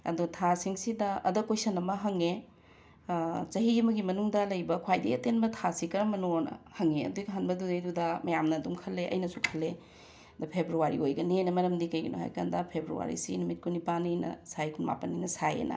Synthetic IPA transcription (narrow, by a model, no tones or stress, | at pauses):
ɐ̰dutʰasiŋsidɐɐdɐkojsɐnɐmɐɦɐŋe | t͡ʃɐɦiɐmɐɡimɐnuŋdɐlɐjbɐkʰwajdḛɐtenbɐtʰasikɐɾɐmɐnoɾnɐ̰hɐŋeɐ̰duɡɦanbɐdudejdudɐmɐjamnɐːdumkʰɐlːeʔɐ̰jnɐsukʰɐlːe | dɐpʰebɾuaɾḭojɡɐninɐmɐɾɐmdikɐjɡɐno̰ha̰jkandɐpʰebɾṵwa̰ɾḭsinumit̚kunipanijnɐ̰sajkʰunma̰pɐnːijnɐsajḛnʔɐ̰